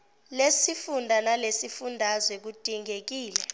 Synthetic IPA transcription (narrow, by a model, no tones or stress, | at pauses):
lesifundʱanalesifundʱazwɛk̬utʼiŋʱek̬iːlɛ